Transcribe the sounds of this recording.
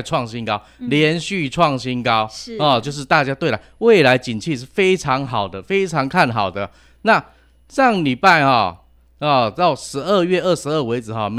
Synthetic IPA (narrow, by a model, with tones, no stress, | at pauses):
ʈ͡ʂʰwɑ˥˨ŋɕi˦nkɑ˥ʊljɛ˧˦nɕy˥˨ʈ͡ʂʰwɑ˥˨ŋɕi˦˥nkɑ˦ʊɔ˥˨t͡ɕjo˥˧ʊʂ̬ɻ̩˥˧t̪a˥˧t͡ɕja˦˥t̪we˥˨˩ɪla˨˦ɪwe˥˩ɪla˧˥ɪt͡ɕi˨˩nt͡ɕʰi˥˧ʂ̬ɻ̩˥˩fe˥ɪʈ͡ʂʰɑ˧˦˥ŋxɑ˨˩ʊd̪ə˦fe˥ɪʈ͡ʂʰɑ˧˦˥ŋkʰa˥˨˩nɦɑ˨˩ʊd̪ə˦ | na˥˨ | ʂɑ˥˩ŋli˨˩pa˥˧ɪxɔ̰˨˩ | ɔ˨˩t̪ɑ˥˩ʊʂɻ̩˧˥ə˥˧ɥɛ˥˧ə˥˩ʂɻ̩˧˦ə˥˩we˧˥ɪd͡zɹ̩˩xɔ˥˨˩m